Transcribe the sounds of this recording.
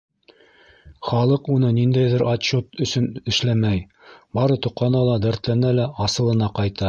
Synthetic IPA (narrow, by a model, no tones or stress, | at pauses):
χɑlˠɤqunɤnind̪æjðɘɾʔɑɕot̪ɵ̆sɵnɘ̆ʃlæmæj | bɑɾɤt̪ŏqʰːɑnɑlˠɑd̪æɾt̪lænælæʔɑsɤ̆lˠɤ̆nɑqɑjt̪ɑ